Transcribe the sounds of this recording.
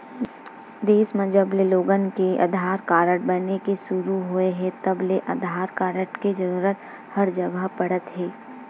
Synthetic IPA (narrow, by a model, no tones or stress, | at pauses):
d̪eːsmə̃d͡ʒəbleloːɡənkeʔɐ̰d̪ʱaːɾkaːɾəʈbɐnekesʊɾuɦoeɦɛ̃t̪ɐbleʔɐd̪ʱaːɾkaːɾəʈked͡ʒɐɾuːɾət̪ | hɐɾd͡ʒɐɡəɦpɐɽət̪ɦɛː